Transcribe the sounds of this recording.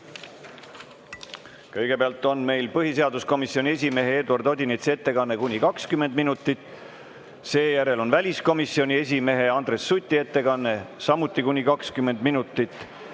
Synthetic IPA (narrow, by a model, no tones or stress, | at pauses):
kɤjɡ̥e̞peɑlt̪ːˑo̞nme̞jlpɤɦiseɑd̪usko̞misio̞nʲie̞s̬ʲime̞ɦeeːd̪uɑrd̪o̞d̪ʲinet̪se̞t̪ːe̞kɑnːe̞kunʲikɑkskyme̞nd̪minut̪ːˑit̪ˑː | se̞ːjæɾe̞lo̞nvælʲisko̞misːio̞nʲie̞s̬ʲime̞ɦe̞ɑnd̪re̞sːut̪ʲːˑie̞t̪ːe̞kɑnːe̞sɑmut̪ˑːikunʲikɑkskymːe̞nd̪̥minut̪ːˑit̪ːˑ